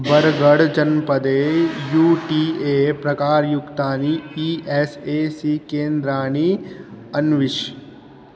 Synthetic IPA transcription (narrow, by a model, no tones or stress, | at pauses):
bɐɾɡəɽd͡ʒɐnpɐd̪eːjuːʈiːeːpɾɐkaːɾjʊkt̪aːniiːeːseːsiːkẽːnd̪ɾaːniɐnʋɪʃ